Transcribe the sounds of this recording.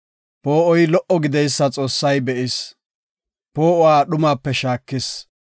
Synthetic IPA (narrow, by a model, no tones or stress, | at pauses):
poːʔɔjlɔʔɔɡɪd̪ɛjsːɐt͡sʼo̞ːsːɐjbɛʔɪs | poːʔɔwaːɗʊmaːpːɛʃaːkːɪs